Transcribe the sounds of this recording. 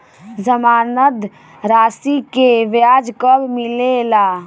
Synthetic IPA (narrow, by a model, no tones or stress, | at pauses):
zəmaːnət̪ | ɾaːsikeʋjaːd͡ʒkəbmɪlelaː